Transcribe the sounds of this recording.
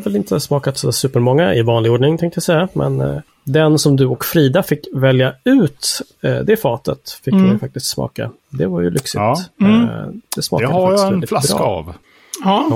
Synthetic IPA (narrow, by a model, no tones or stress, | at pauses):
vɛlɪnt̪ʰəsmɑːkat̪sd̪sʉ̟ːpəɾmɔŋːaɪvɑːnlɪɡoːɖɳɪŋt̪ʰɛ̃ŋkt̪əjasɛjːamʔɛ̰n | d̪ɛnsɔmd̪ɵɔkfɾiːd̪afɪkːvɛljaʉ̟ːt̪d̪ɛfɑːt̪ət̪fɪkːmɛjfak̚t̪ɪst̪smɑ̰ːka̰ | d̪ɛvaɾjɵ̰lʏksɪt̪ | d̪̥ɛsmɑ̰kajhaajasɛɪfla̰ka̰v